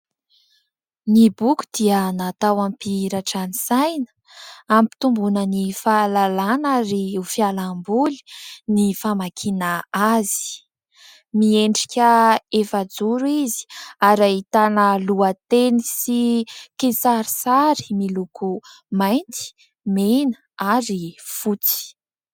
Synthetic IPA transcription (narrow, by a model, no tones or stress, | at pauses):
nibuku̥d̪̥iənat̪awampiɾaʈ͡ʂanisajnə̥ | ampi̥t̪umbunənifalalanaɾiufialambuli̥nifamakʰinaazi̥ | mieɳɖ͡ʐi̥kʲəefad͡zuɾuizi̥aɾait̪anəluat̪enisikesaɾisaɾi̥milukʰu | majnt̪i̥ | men | aɾifut͡si̥